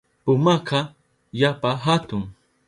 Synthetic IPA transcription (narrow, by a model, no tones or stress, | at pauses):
pʊmakʰa | japaɦat̪ʊŋ